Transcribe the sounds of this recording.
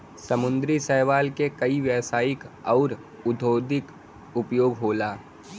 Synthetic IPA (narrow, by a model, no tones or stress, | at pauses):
sɐmʊ̃nd̪ɾisɛɦʋaːlkekɐiʋjəʋsaːɪkɔːɾ | ʊd̪ʱoːd̪ɪk | ʊpjoːɡɦoːlaː